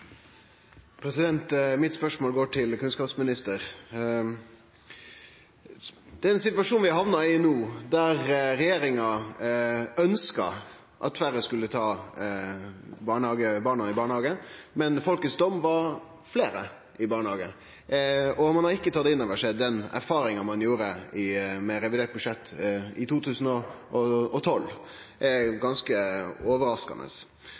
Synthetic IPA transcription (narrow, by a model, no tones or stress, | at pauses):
pʰɾɛsɪd̪ɛnt̪mɪt̪spœʂmoːlɡoːʈʰɪlkʉnskɑːpsmɪnɪst̪əɾ | d̪̥ɛːɾɛnsɪt̪ʋɑʂuːnʋɪɦɑʋnɑɪnuːd̪æɾɾɛjeːɾɪŋɑ | œnskɑ̰ | ʔɑ̰t̪fæɾəskʉlːət̪ʰɑː | bɑːɳəɑːɡəbɑːɳɑɪbɑːɳəhɑːɡəmɛnfɔlkət̪sd̪ɔmʋɑɾ | fleːɾə | ɪbɑːɾɳəhɑːɡə | ɔmɑnhɑɾɪkːət̪ʰɑt̪ːɪnːɛʋɑʂɛd̪d̪ɛnæ̰ɾfɑːɾɪŋɑmɑnjuːɾəɪmɛɾɛʋɪd̪eːɾt̪̚bʉʂɛt̪ːɪt̪ʰuːt̪ʰʉːsnɔ | ɔɔt̪ʰɔlː | ʔæɾɡɑnskəɔːʋəɾɑskɑ̰nə̰s